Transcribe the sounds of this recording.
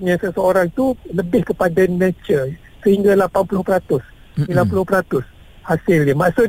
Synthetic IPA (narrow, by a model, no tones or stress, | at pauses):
ɲãsəsəoɾaŋt̪uləbɪhkəpadanãt͡ʃə | səhiŋɡalapanpulʊhpəɾat̪ʊs | smilanpulʊpəɾat̪ʊs | hasɪljamaʔsʊ